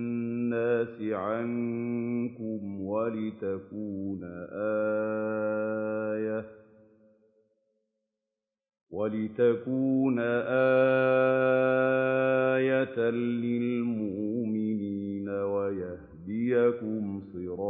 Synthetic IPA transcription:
nːaːsɪʕaŋ | kʊmwalɪt̪akuːnaʔaː | ja | walɪt̪akuːnaʔaː | jat̪lɪlmʊʔʔmɪniːnawajahd̪ɪjakʊmsˤɨɾɑː

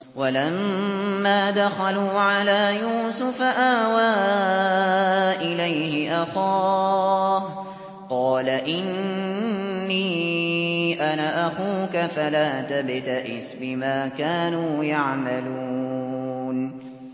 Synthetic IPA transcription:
walamː | aːd̪axaluːʕalaːjuːsʊfaʔaːwaː | ʔɪlajhɪʔaxɑː | h | qɑːlaʔɪnnː | iː | ʔanaʔaxuːkafalaːt̪abɪt̪aʔɪsbɪmaːkaːnuːjaʕmaluː | n

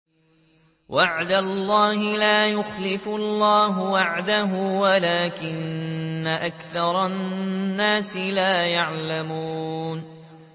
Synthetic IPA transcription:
wʔaʕd̪alˤːɑːhɪlaːjʊxlɪfʊlːɑːɦʊwaʕd̪aɦuːwalaːkɪnːaʔakθɑɾˤɑnnːaːsɪlaːjaʕlamuːn

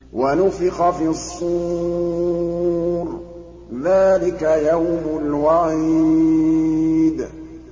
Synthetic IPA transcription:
wʔanʊfɪqɑfiːɑsˤːuː | ɾ | ðaːlɪkajawmʊlwaʕi | d̪

